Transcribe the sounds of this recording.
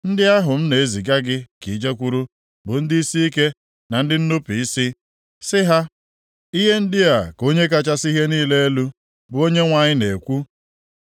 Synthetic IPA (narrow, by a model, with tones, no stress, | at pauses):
n̩˦dɪ˦a˦ɦʊ˨m̩˦ne˨e˦zi˨ɡa˦ɡɪ˦ki˨d͡ʒe˦kʷu˦ɾu˦ | bʊ˨n̩˦dɪ˦i˦si˦i˦ke˦ | na˨n̩˦dɪ˦n̩˦nʊ˦pi˨i˦sɪ˦ | sɪ˦ɦa˦ | i˦ɦe˦n̩˦dɪ˦a˨ko˦ɲe˦k̬a˦t͡ʃa˦si˦ɦe˦niː˦le˦e˦lu˦ | bʊ˨o˦ɲe˦ŋʷa˨ɲɪ˦ne˨kʷu˦